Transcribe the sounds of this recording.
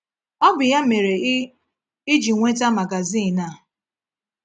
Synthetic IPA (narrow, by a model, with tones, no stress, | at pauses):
ɔ˦bʊ˨ja˦me˨ɾe˨ | i˦d͡ʒi˨ŋʷe˦ta˦ma˨ɡa˨zi˦˨na˦˨